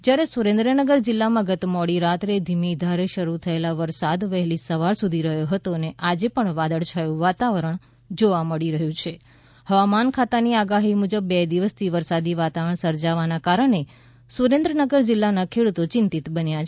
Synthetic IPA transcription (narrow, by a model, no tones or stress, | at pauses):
d͡ʒjaɾesuɾẽnd̪ɾənəɡəɾd͡ʒɪlːamãɡət̪mɔɽiɾat̪ɾed̪ʱimid̪ʱaɾeʃəɾut̪ʰəelaʋəɾsad̪ʋəɦɛlisəʋaɾsud̪ʱiɾəɦjoɦət̪oneʔad͡ʒepəɳʋad̪əɭt͡ʃʰajũʋat̪aʋəɾəɳ | d͡ʒoʋaməɽiɾəɦjũt͡ʃʰe | həʋamankʰat̪aniaɡaɦimud͡ʒəbːed̪iʋəst̪ʰiʋəɾsad̪iʋat̪aʋəəɳsəɾd͡ʒaʋanakaɾəɳe | suɾẽnd̪ɾənəɡəɾd͡ʒɪlːanakʰeɽut̪ot͡ʃɪnt̪it̪bənja